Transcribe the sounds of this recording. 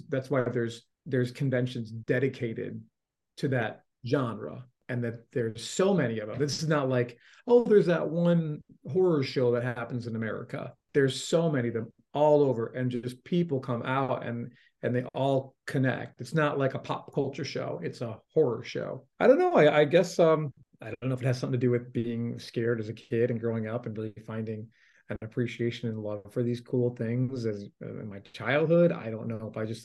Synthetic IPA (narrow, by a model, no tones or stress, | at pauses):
ðætswaɪðə˞z | ðə˞z̥kʰɨ̃ɱvɛ̃nʃɨ̃nzdɛɾɨkʰeɪɾɪ̰d̚ | tʰɨðɨt̚ʒ̥ɑ̃nɹə̰ | ɨ̃nðɨt̪̚ðə˞z̥soʊmɛñiʌvə̃mɪsznətˡlaɪk | oʊðə˞zðəʔ̚wʌ̃nɦɔɹə˞ʃoʊðɨt̚ɦæpn̩zɨ̃nɨmɛ̰ɹɨ̰kə̰ | ðə˞z̥soʊmɛñiʌðɨ̃m | ɔlˠoʊvə˞ʔɨ̃nd͡ʒʌspʰipl̩ˠkʰʌ̃ma̰ʊɾɨ̰̃n | ɨ̃nðeɪʔɔlˠkʰɨnɛ̰k̚tɨtsnəʔˡlaɪkəpʰɑ̰p̚kʰʌlˠt͡ʃə˞ʃo̰ʊɨtsəhɔɹə˞ʃo̰ʊaɪɾõʊ̃nːoʊaɪaɪɡɛsʌ̃m | aɪdõnːoʊfɨt̚hɨz̥ʌ̃mθɪ̃ŋtʰɨdɨwɨðbiɪ̃ŋskɛɹɾɨzɨkʰɪɾɨ̃nɡɹoʊɪ̃ŋʌpn̩ɹɪlˠifãɪ̃ndɪ̃ŋ | ɨ̃nɨpʰɹ̥iʃieɪʃɨ̃nɨ̃nlʌv̥fə˞ðiz̥kʰulˠθɪ̃ŋzɨz̰ɪ̰̃nmaɪt͡ʃʰaɪlˠd̚hʊɾa̰ɪɾõʊ̃nːoʊəfaɪd͡ʒʌst